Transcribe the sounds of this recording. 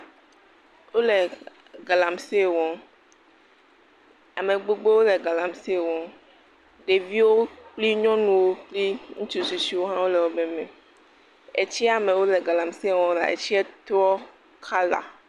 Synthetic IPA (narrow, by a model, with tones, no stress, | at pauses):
wo˦lɛ˨ | ɡa˨la˨mse˦˨wɔ̃˦ | a˨mẽ˨ɡ͡bo˦ɡ͡be˦wo˦lɛ˨ɡa˨la˨msi˦˨wɔ̃˦ | ɖe˨vi˦wo˦k͡pli˦ɲɔ̃˦nũ˨wo˦k͡pli˦ŋũ˦t͡ʃu˨su˨si˦wo˦ɦã˦wo˦lɛ˨wo˦be˦mɛ̃˨ | e˨t͡ɕi˦a˨mẽ˨wo˦lɛ˨ɡa˨lã˨msi˦˨wɔ̃˦la̰˨ḛ˨t͡ɕi˦ɛ˦t̪ɔ˦ | kʰa˦la̰˨